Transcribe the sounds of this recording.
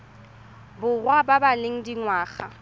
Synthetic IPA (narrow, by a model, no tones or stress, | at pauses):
bʊɣwababaleŋ̩diŋwaːχa̰